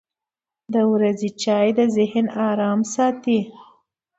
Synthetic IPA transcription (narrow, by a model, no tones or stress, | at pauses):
d̪əwɾazit͡ʃɑjd̪əzɪhnɑɾɑmsɑt̪i